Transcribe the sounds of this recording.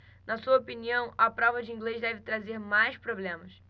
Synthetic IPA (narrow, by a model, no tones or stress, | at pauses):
nɐsuɐopiniɐ̃w̃ɐpɾɔvɐd͡ʒɪĩŋɡlezd̪ɛvɪt̪ɾazeɾmajspɾoblẽmɐs